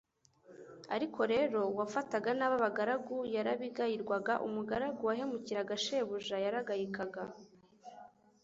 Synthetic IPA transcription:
aɾiko̞ɾe̞ɾo̞wafataɡanaβaβaɡaɾaɡujaɾaβiɡajiɾɡwaɡaʔumuɡaɾaɡuwaɦe̞muciɾaɡaʃe̞βuʒajaɾaɡajikaɡa

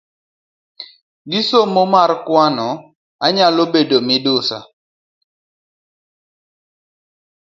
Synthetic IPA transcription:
ɡisomɔmaɾkwanɔ | aɲalobedomɪdʊsa̰

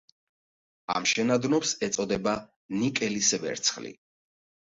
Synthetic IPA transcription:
a̰mʃɛnad̪nɔpsɛt̪sʼɔd̪ɛba | nikʼɛlisɛvɛ̰ɾt̪sʰχlḭ

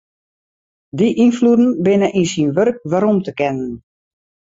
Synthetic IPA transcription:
diʔinfludn̩bɪnəʔinsinʋørk̚ʋaɾɔmtəkɛnən

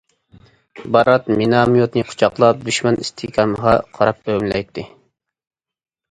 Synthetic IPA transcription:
bɑɾɑt̪minɑmijot̪nɨqʰʊ̥t͡ʃʰɑqlˠɑp̚d̪yʃmɛnist̪ʰɪkʲɑməʁɑqʰɑɾɑp̚øwmlɛjt̪ʰːɪ

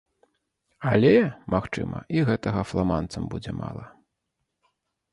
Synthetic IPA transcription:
alʲɛmaxt͡ʂɨ̰mɐ̰iɣɛt̪ɐɣɐflˠamant̪sɐmbud͡zʲɛma̰lˠɐ

